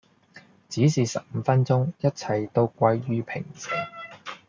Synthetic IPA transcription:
t͡siː˨˥siː˨sɐ˨p̚m̩ː˨˧fɐ˥nt͡sʊ˥ŋjɐ˥t̚t͡sʰɐ˨˩jt̪o˧wkʷɐ˧jːyː˥pʰɪ˨˩ŋsɪ̰˨˩ŋ

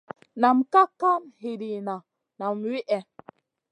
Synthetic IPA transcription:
na˨m˨ka˦ka˦mhe˨ɾi˨na˨ | na˨mwi˦ʔɛ˨

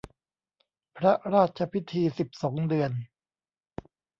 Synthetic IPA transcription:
pʰɾa˦˥ɾaː˥˩t̪̚t͡ɕʰa˧pʰi˦˥t̪ʰiː˧si˨˩p̚sɔː˩˦ŋdɯ˧ən

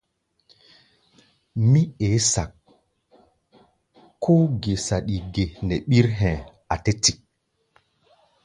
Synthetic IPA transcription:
mi˦e˨˦sa˨k̚ | kːʰo˦ɡe˨sa˨ɗi˨ɡe˨nɛ˨ɓi˦ɾɦɛ̃˨ | a˨te˦ti˨k̚

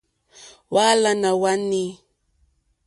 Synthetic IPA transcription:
wa˦la˦na˨wa˦ni˦

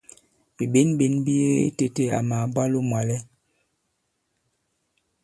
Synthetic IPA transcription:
bi˨be˦nbe˨˦nbi˦e˦ḛ˦te˦te˦a̰˨ma˨˦bwa˦lo˦mwa˨lɛ˦

